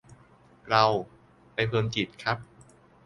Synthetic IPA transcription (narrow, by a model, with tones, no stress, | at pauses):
ɾa˧w | pa˧jpʰɤː˧nt͡ɕi˨˩t̪̚kʰa˦˥p̚